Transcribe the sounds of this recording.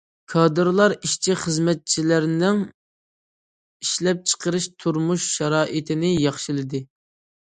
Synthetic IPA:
kʰɑːd̪ɨɾlˠɑɾiʃt͡ʃʰiχəzmɛt̪̚t͡ʃʰilæɾnɪŋ | iʃlɛp̚t͡ʃʰə̥qʰəɾɨʃt̪ʰuɾmuʃʃɑɾɑːʔit̪ʰɪnɪjɑχʃɨlˠɨd̪ɨ

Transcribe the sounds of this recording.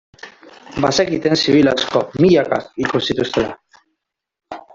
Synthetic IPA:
basekit̪ensiβilasko̞miʎaka̰kikusit̪ust̪ela̰

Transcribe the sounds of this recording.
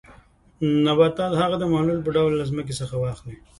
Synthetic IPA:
nabɑt̪ɑlhaɣad̪əmahlulp̬əɖawlːazmək̬esəxawɑxli

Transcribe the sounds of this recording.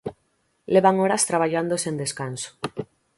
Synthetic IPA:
leβaŋoɾast̪ɾaβ̞aʎand̪osend̪e̞skanso̥

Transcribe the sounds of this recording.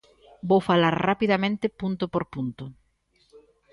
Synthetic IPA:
bowfalaɾrapiðamẽnt̪ɪpunt̪opoɾpunt̪o

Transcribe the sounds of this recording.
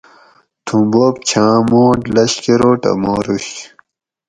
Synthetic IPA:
t̪ʰũmboːp̚t͡ɕʰãːmoːʈlɐɕkeɾoːʈɐ̰moːɾuɕ

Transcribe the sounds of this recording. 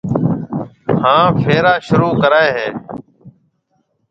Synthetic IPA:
hãːfʰeːɾaːʃʊɾuːkəɾaːeːɦeː

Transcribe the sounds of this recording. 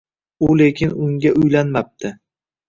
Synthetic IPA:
ʊle̞kʲʰɪnʊŋɡʲaʔʊjlanmap̚t̪ʰɪ

